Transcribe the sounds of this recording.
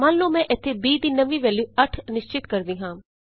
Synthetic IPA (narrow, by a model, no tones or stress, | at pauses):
mãːnlõːmɛ̃ːʔɪt̪ʰːebiːd̪iːnəʋĩʋɛːljuːɐʈʰnɪʃt͡ʃɪt̪kəɾd̪iːɦãː